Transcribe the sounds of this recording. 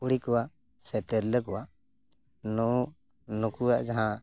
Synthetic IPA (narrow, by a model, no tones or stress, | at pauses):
uɽikɔwaʔ | sɛt̪eɾləkɔwaʔ | nɔ | nũkuwaʔd͡ʒaɦã